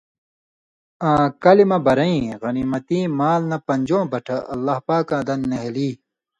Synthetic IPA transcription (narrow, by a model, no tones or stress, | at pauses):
ãːkɐlimɐbɐɾɐĩɣɐnimɐt̪ĩːmaːlnɐpɐɲd͡ʑõːbɐʈʰɐʔɐlːɐhpaːkãːd̪ɐnːeɦeliː